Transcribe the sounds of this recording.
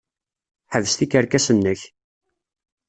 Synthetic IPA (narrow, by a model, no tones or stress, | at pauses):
ħəðəst̪ikəɾkæsənːəç